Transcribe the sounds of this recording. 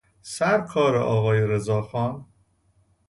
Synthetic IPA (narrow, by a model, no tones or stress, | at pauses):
sæɾkʰɒːɾḛʔɒːɣɒːjeɾezɒːxɒːn